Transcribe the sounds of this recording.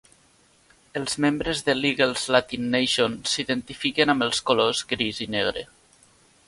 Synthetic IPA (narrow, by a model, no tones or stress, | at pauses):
əlˠzmembɾəzðəliɣelˠzlat̪inːeʃonsiðənt̪ifikenambəlˠskolozɣɾizineɣ̞ɾḛ